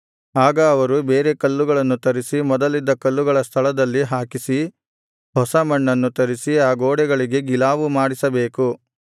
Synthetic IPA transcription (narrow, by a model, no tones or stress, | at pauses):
aːɡɐːʋɐɾubeːɾe̞kɐlːuɡɐɭɐnːut̪ɐɾisimɔd̪ɐlid̪ːɐkɐlːuɡɐɭɐst̪ʰɐɭɐd̪ɐlːiɦaːkisi | hɔsɐmɐɳːɐnːut̪ɐɾisiaːɡoːɽɛɡɐɭiɡe̞ɡilaːʋumaːɽisɐbe̞ːku